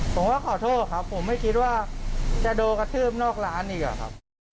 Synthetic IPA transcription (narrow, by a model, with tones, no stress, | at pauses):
pʰo˩˦mwaː˥˩kʰɔː˨˩˦t̪ʰoː˥˩t̚kʰa˦˥pʰːo˨˩˦mːa˥˩jkʰi˦˥t̪̚waː˥˩t͡ɕa˨˩doː˧ka˧t̪ʰɯː˥˩p̚nɔː˥˩k̚ɾaː˦˥nʔiː˧˩k̚a̰˨˩kʰa̰˦˥p̚